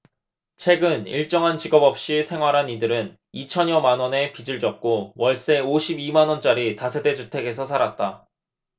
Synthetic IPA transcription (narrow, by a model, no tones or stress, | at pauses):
t͡ɕʰwe̞ɡɯnḭɭt͡ɕ͈ʌŋɦant͡ɕiɡʌbʌp̚ɕ͈isʰe̞ŋɦwaɾɦanidɯɾɯn | it͡ɕʰʌɲjʌmanwʌne̞pid͡ʑɯɭd͡ʑʌk̚k͈owʌɭs͈e̞oɕʰibimanwʌnt͡ɕ͈aɾitasʰe̞de̞d͡ʑutʰe̞ɡe̞s̬ʰʌsʰaɾat̚t͈a